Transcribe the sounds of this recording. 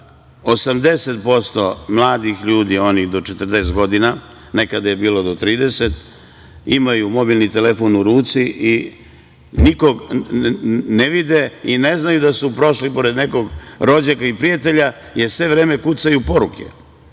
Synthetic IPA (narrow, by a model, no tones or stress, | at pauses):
o̞samd̪e̞set̪̚po̞st̪o̞mlˠaːd̪ixʎuːd̪io̞nixd̪o̞t͡ʃet̪r̩d̪est̪ɡo̞d̪ina | ne̞kad̪aje̞biːlo̞d̪ot̪ɾiːd̪e̞set̪ | imajumo̞bilˠnit̪elefonuɾuːt̪siʔi | niko̞ɡ | neʋid̪eine̞znajud̪asupɾo̞ʃlipo̞ɾe̞d̪ne̞ko̞ɡɾo̞d͡ʑakaipɾijat̪e̞ʎa | jesʋe̞ʋɾeːme̞kut̪sajupo̞ɾukḛ